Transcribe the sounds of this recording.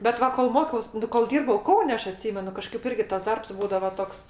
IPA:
bʲɛt ˈʋɐ koːlˠ ˈmoːkʲɛʊs ˈnʊ koːlˠ ˈdʲiːrbɐʊ ˈkɐʊnʲɛ ˈɐʃ ɐˈtʲsʲiːmʲɛnʊ kɐˈʃkɐɪp ˈɪrʲɡʲɪ tɐs ˈdɐrps ˈbuːdɐʋɐ ˈtoːks

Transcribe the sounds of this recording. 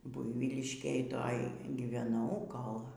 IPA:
ˈbʊɪʋʲiːlʲɪʃʲkʲeːj ˈtoːj ɡʲiːʋʲɛˈnɐʊ ˈkoːlˠ

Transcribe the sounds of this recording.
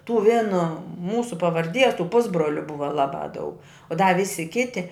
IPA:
tuː ˈʋʲeːnoː ˈmuːsʊ pɐʋɐrʲˈdʲiɛs tuː ˈpʊzbroːlʲʊ ˈbʊʋɐ ˈlˠɑːˌbɑː dɐʊk dɐ ˈʋʲɪsʲɪ ˈkʲɪtʲɪ

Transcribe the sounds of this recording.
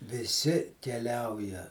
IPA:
ʋʲɪˈsʲɪ kʲɛˈlʲɛʊjɛ

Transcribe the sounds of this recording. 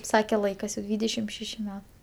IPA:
ˈsɑːkʲɛ ˈlˠɐɪkɐs jɛʊ ˈdʲʋʲiːdʲɛʃʲɪm ˈʃʲæːʃʲɪ ˈmʲɛ

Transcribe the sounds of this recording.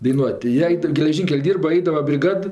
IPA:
dɐɪˈnuɔtʲ tɐɪ ˈjiɛ ˈɐɪt ɡʲɛlʲɛˈʒʲiːŋʲkʲɛlʲ ˈdʲiːrbɐ ˈɐɪdɐʋɐ bʲrʲɪˈɡɐt

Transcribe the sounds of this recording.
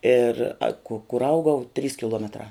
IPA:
ɪr ɐ kʊ kʊr ˈɐʊɡɐʊ tʲrʲiːs kʲɪˈlˠuɔmʲɛtrɑː

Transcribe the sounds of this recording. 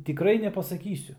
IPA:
tʲɪˈkrɐɪ nʲɛpɐsɐˈkʲiːsʲʊ

